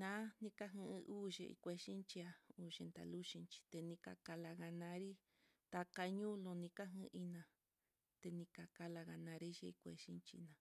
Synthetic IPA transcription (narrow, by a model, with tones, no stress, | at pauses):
nã˦nĩ˧ka˦ɦɨ̃˧ʔɨ̃˧ʔuː˦ʒḛ˧˨ḭ˧kʷe˧ʃi˦nt͡ʃi˧a˧u˨ʃe˧nt̪a̰˨lu˦ʃĩ˧nt͡ʃi̥˧t̪e˧nĩ˧ka̰˧˨ka˧la˧ɣa˧nã˧˦ɾi˦ | t̪a˧ka˧ɲũ˦lõ˧nĩ˧ka˦ɦɨ̃˧ʔi˦nã˨˧ | t̪e˧nĩ˧ka˨ka˧la˧ɣa˧nã˧ɾi˦ʒe˧i˧kʷḛ˧ʃĩ˦nt͡ʃḭ˧nã˨˧